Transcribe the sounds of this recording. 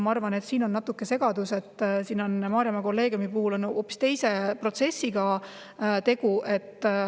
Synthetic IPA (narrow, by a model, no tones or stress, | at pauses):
mɑɑrvɑne̞t̪siːno̞nːɑt̪ːˑukːˑe̞se̞ɡ̥ɑd̪use̞t̪ːˑsiːno̞nmɑːɾjɑmɑko̞lːe̞ːɡ̥jumipuhulo̞noːpːi̥st̪e̞jse̞pro̞t̪se̞sːiɡ̥ɑ | t̪e̞ɡ̥uʔe̞t̪ːˑ